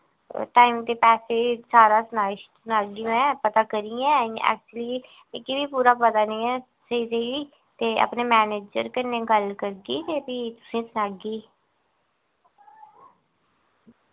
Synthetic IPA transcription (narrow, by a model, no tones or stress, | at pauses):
ʈaːimt̪eːpɛːseːsaːɾaːsənaːɪʃsʊnaːɡiːmɛ̃ːpət̪aːkəɾiːã̰ːɛ̰ːk̚t͡ʃliː | ɛ̃kɪʋiːpuːɾaːpət̪aːnəĩːɛː | səiseiː | t̪eːə̰pneːmɛːneːd͡ʒə̰ɾkɪneːɡəlkəɾɡiːt̪eːpiːt̪ʊ̥sĩːsʊnaːɡiː